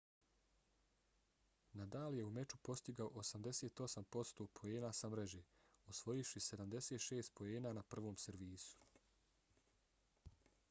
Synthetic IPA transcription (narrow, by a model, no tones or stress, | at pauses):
nad̪aːlje̞ume̞t͡ʃupo̞st̪iɡaoʔosamd̪e̞se̞ːt̪o̞sampo̞st̪oːpʰo̞eːnaːsamɾeʒeːosʋo̞jiʃise̞d̪amd̪e̞se̞ːt̪ʃeːst̪̚po̞eːnaːnapr̩ʋo̞ːmse̞ɾʋiːsu̥